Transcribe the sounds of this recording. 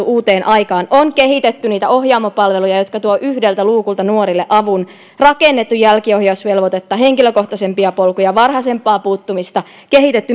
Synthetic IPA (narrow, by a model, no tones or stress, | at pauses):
uʔuːt̪eːnʔɑjkɑːnoŋkehit̪et̪ːyniːt̪æohjɑːmːɑpɑlʋelujɑjot̪kɑt̪uoʔyhdelt̪æluːkult̪ɑnuoɾilːeʔɑʋun | rɑkenːet̪ːujjælkiohjɑusʋelʋot̪et̪ːɑɦeŋkiløkoht̪ɑsempiɑpolkujɑʋɑrhɑsempːˑɑːpuːt̪ːumist̪ɑ | kehit̪et̪ːy